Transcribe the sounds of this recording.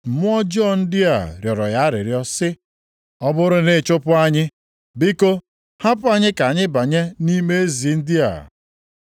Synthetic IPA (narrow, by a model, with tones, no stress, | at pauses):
m̩˨mʊ˦ɔ˦d͡ʒɔ˦˨n̩˦dɪ˦a̰˨ɾjɔ˨ɾɔ˨ja˦ɾɪ̰˨ɾjɔ˦sɪ˦ | ɔ˦bʊ˦ɾʊ˦nɪ˦˨t͡ʃʊ˦pʊ˦a˦ɲɪ˦ | bɪ˦ko˦ | ha˦pʊ˦a˦ɲɪ˦ka˨ɲɪ˦ba˨ɲe˦ni˦me˦e˦zi˨˦n̩˦dɪ˦a̰˨